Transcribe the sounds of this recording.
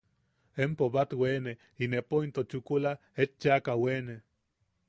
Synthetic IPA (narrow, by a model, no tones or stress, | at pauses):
empoβat̪wene | inepoint̪ot͡ʃukula | et͡ʃːakawene